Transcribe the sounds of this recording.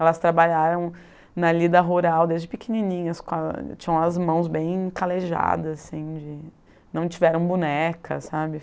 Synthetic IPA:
ɛlɐst̪ɾabaʎaɾɐ̃w̃ | nɐlid̪ɐɦuɾawd̪ezd͡ʒɪpɪkininĩɲɐskõɐt͡ʃĩɲɐ̃w̃ɐzmɐ̃w̃zbẽj̃kaleʒa̰d̪ɐzasĩd͡ʒɪ | nɐ̃w̃t͡ʃivɛɾɐ̃w̃bunɛkɐ̰sabɪ

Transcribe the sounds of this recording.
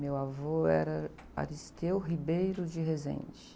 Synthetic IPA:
mewavoɛɾɐ | a̰ɾist̪ewɦibejɾʊd͡ʒɪɦezḛ̃j̃t͡ʃɪ̥

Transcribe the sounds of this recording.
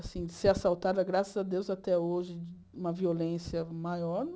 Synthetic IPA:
asĩɪseasawt̪ad̪ɐɡɾasɐzad̪ewzat̪ɛoʒɪ | ũmɐviolẽsiɐmajɔɾ

